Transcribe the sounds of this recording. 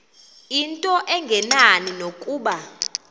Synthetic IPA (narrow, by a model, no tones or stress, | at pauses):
intʼɔʔɛŋɡʱɛnaninokʼuːɓa